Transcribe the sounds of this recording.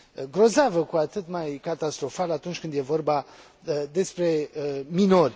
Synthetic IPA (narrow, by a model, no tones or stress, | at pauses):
ɡɾo̞zavəkuat̪ɨt̪majkat̪ast̪ɾo̞falat̪unt͡ʃkɨnd̪je̞vo̞rba | d̪e̞spɾe̞əmino̞rʲ